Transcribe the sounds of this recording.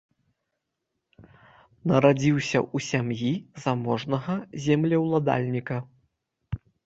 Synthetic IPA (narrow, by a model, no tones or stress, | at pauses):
nɐɾad͡zʲiwsʲɐʔusʲamjizamɔʐnɐɣɐzʲɛmlʲɛwlˠad̪a̰lʲnʲikɐ